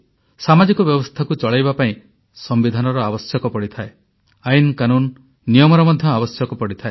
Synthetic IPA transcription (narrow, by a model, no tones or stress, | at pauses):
samad͡ʒikɔbjɔbɔst̪ʰakut͡ʃɔɭajbapaĩ | sɔmbid̪ʱanɔɾɔabɔsjɔkɔpɔɽit̪ʰae | ainkanunː | ijɔmɔɾɔmɔd̪ʱjɔabɔsjɔkɔpɔɽit̪ʰae